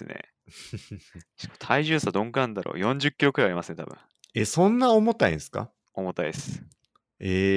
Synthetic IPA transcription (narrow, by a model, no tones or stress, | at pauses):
sɨnḛ | ɕi̥kt̪ʰaiʑɨːsad̪õ̞ŋkɯãnd̪aɾo̰ːjõ̞ɲ̟d͡ʑɨkʲːiɾo̞kɯɾajaɾʲimasɨne̞t̪ʰa̰b̥ɯ̟̰̃ | esõ̞nːaomot̪aḭ̃sɨ̥ka̰ | o̞mo̞t̪ːaid̪esɨ̥ | e